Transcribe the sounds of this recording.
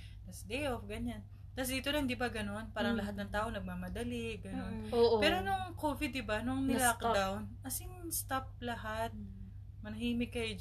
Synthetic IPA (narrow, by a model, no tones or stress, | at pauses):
d̪ɐsd̪ejʔofɡɐɲan | t̪asɪt̪onɐɪnd̪ibɐɡɐno̞npaːɾɐŋlɐɦat̪̚nɐŋt̪aːʔonɐɡ̚mamɐd̪ɐlɪɡɐno̞noʔpɛːɾo̞nʊŋkovɪd̪ːɪbanʊŋnɪlakdd̪awnɐsɪŋst̪ap̚lɐɦat̪̚ | mɐnɐhiːmɪkːɐjo